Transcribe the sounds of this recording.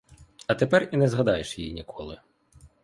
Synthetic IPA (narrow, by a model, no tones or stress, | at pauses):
ɐt̪epɛrinɛzɦɐd̪ɑjeʃjijḭnʲikʰɔlˠɪ